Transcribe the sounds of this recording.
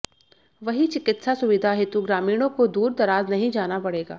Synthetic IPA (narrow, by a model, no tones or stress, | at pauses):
ʋɐɦit͡ʃɪkɪt̪sasʊʋɪd̪ʱaɦɪt̪uɡɾaːmiːɽ̃õkod̪uːɾd̪ɐɾaːznɐɦĩd͡ʒaːnapɐɽeːɡaː